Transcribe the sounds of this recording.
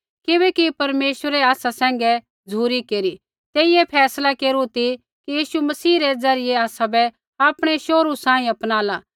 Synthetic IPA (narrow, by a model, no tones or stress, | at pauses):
kɪbɛkipɐɾmeːʃwəɾɛaːsasɛ̃ːŋ̆ɡɛ | d͡zʱuːɾikeːɾi | t̪eːɪjepʰɛːslakeːɾut̪i | kijiːʃumɐsiːɾɛd͡zɐɾɪjeaːsabɛ | aːpɽ̃eʃoːɾusãːĩɐpnaːlaː